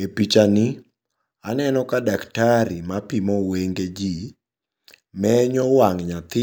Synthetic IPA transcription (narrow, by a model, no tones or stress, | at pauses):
epit͡ʃanɪ | anɛnɔkadaktaɾimapimɔweŋɡed͡ʒi | mɛɲɔwaŋɲat̪ɪ